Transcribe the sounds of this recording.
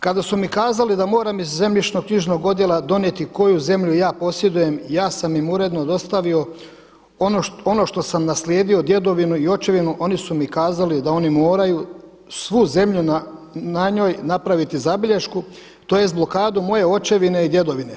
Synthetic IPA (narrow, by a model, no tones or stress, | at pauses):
kad̪asumikaːzalid̪amo̞ːɾamizːe̞mʎit͡ʃno̞ɡkɲiʒno̞ɡo̞d̪je̞lˠad̪o̞njet̪iko̞juze̞mʎujaːpo̞sje̞d̪uje̞mjaːsamimuɾe̞d̪no̞d̪o̞st̪aʋio̞ | ooo̞no̞ʃt̪o̞samnasljeːd̪io̞d̪je̞d̪o̞ʋinuio̞t͡ʃe̞ʋinuʔo̞nisumikaːzalid̪ao̞nimo̞ːɾaju | sʋuze̞mʎunanaɲo̞ːjnapɾaʋit̪izabiʎeʃku | t̪ojest̪blˠo̞kaːd̪umo̞je̞o̞t͡ʃe̞ʋine̞id̪je̞d̪o̞ʋine̞